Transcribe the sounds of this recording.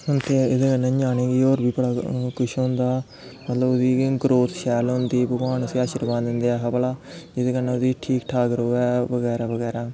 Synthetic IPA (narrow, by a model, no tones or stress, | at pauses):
ɦʊnt̪eːɪd̪eːkənːẽd͡ʒaːneːɡiːoːɾbiːbəɽaːkʊʃɦʊ̃nd̪aː | mət̪ləbʊsiːɡəɾoːt̪ʃɛːlɦʊ̃nd̪iːbəɡʋaːnəsiːaːʃəɾbãːnd̪ɪnd̪eːaːɦəbəlaːd͡ʒɪd̪eːkənẽːʊd̪iːʈʰiːkʈʰaːɡəɾoːɛːbəɡɛːɾaːbəɡɛːɾaː